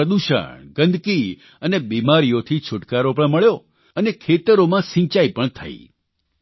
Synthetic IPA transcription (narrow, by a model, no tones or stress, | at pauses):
əd̪uʃə̰ɳɡənd̪ʱki | ənebimaɾijot̪ʰit͡ʃʰʊʈkaɾopəɳməɭjo | ənekʰet̪əɾomãsĩt͡ʃaipəɳt̪ʰə̰ḭ